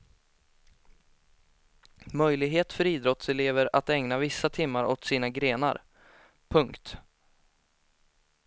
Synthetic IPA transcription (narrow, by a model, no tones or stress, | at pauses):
mœjlɪɡɦeːt̪fœɾiːd̪ɾɔt̪sɛleːvəɾat̪ɛŋnavɪsːat̪ʰɪmːaɾɔt̪siːnaɡɾeːna̰ɾ | pʰɵŋkt̪